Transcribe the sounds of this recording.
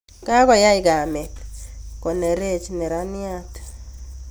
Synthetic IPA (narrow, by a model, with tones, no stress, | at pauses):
ka˦kɔ˨ja˦ɪ˨ɡa˨mɛ˨tkɔ˨ne˨ɾe˦˨t͡ʃnɛ˨ɾa˦nɪ˦a˦t